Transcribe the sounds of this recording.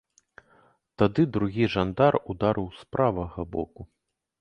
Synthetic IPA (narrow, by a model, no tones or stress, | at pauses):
t̪ad̪ɨd̪ɾuɣʲiʐand̪arud̪aɾʔɨwspɾʔavɐɣɐbɔ̰ku